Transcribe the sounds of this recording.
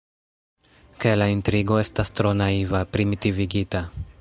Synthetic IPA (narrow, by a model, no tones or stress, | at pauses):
kelaintɾiɡo̞e̞stastɾo̞naivapɾimitiviɡita